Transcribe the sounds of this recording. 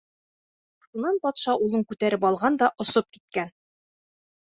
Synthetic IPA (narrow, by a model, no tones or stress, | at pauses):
ʃunɑnpɒt̪ʃɑʔulˠɤɴkʉt̪æɾɘpɒlˠʁɑnd̪ɒʔŏsop̚ki̥t̪̚kæn